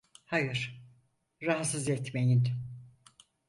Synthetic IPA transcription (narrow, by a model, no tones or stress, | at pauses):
hajɯɾ̥ | ɾaɦat̪sɯzɛt̪me̞jin